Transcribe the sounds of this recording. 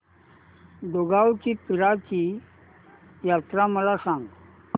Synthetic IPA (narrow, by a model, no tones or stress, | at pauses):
d̪oɡawt͡ɕipiɾat͡ɕi | jat̪ɾaməlasãŋɡ